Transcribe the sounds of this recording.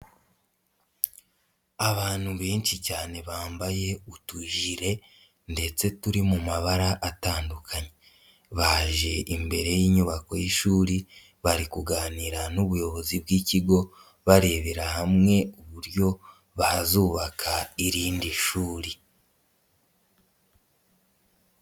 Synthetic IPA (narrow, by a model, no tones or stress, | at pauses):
aβaːn̥huβe̞ːnʃicaːne̞βaːmbaje̞utuʒiɾe̞ | nde̞t͡se̞tuɾimumaβaɾaʔataːndukʰaɲe | βaʒe̞ʔimbe̞ɾe̞jiːɲuβako̞jiʃuːɾi | βaɾikuɡaːniɾanuβujo̞βo̞zibɡiːciɡo̞ | βaɾe̞ːβeɾahamŋe̞uβuɾjo̞ | βahazuːβakʰaiɾiːndiʃuːɾi